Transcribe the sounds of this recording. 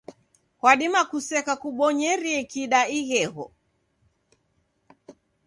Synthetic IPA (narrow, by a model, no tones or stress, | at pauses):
kwaɗimakusɛkakuɓɔɲɛɾiɛkiɗaiɣɛɣɔ̰